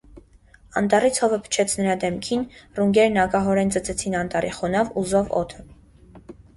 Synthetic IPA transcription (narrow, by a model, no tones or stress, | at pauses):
ɑ̰nt̪ɑrit͡sʰhɔvəpʰə̥t͡ʃʰɛt͡sʰnəɾɑd̪ɛmkʰinruŋɡɛɾnɑkɑɦɔɾɛnd͡zət͡sʰɛt͡sʰinɑnt̪ɑrḭχɔnɑvuzɔvɔ̰t̪ʰə